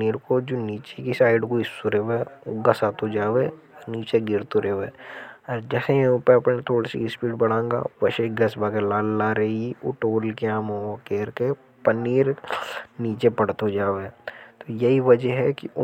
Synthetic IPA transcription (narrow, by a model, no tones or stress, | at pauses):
iːɾkod͡ʒoːniːt͡ʃekisaːɪɖkoɪsoɾeʋeoɡɐsaːt̪od͡ʒaːʋe | ɔɾniːt͡ʃeɡɪɾt̪oɾʔeɦʋeːɔːɾd͡ʒɛːsejɐɦʊ̃peɐpnet̪ʰoːɽasḭɪspiːʈbɐɽãːŋɡa̰ːʋɐʃeɡɐsbʱaːkelaːlːaɾɐɦiiʊ̰ʈoːlkeãːmõokeːɾke | pɐniːɾniːt͡ʃepɐɽt̪od͡ʒaːʋeːt̪ojɐɦiʋɐd͡ʒəɦɛkiʊ